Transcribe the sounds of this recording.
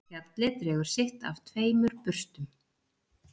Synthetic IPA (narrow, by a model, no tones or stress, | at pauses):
alɪt̪ɾɛːɣʏɾ̥sɪxt̪a̰vt̪ʰveːjmʏɾ̥pʏr̥st̪ʏm